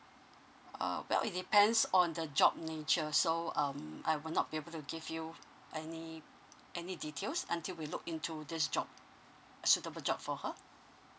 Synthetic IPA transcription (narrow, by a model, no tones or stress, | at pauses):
a̰wɛ̰lḭt̚dipɛ̃ndsɔ̃ndəd͡ʒɔb̚net͡ʃəsoʌ̃ma̰jwɪlnɔt̚b̥iebəltuɡivju | ʔɛni | ʔɛniditʰelsə̰̃ntilwilʊkĩntʰudɪsd͡ʒɔ̰b̚ | əsutəbəld͡ʒɔp̚fɔhə